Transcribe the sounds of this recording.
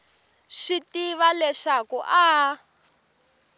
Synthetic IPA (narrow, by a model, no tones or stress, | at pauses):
ʃitiβalɛʂakṵʔa